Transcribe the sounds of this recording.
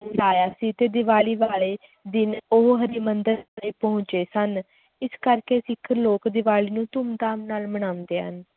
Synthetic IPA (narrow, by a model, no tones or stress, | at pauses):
laːjaːsiːt̪eːd̪ɪʋaːɭiːʋaːɭeː | d̪ɪnoɦɦəɾiːmənd̪əɾnẽːpəɦʊ̃ɲt͡ʃeːsən | ɪskəɾkeːsɪkʰːəloːkd̪ɪʋaːɭiːnũːt̪ʊmd̪aːmnaːlməɽ̃aːʊ̃nd̪eːɦə̰n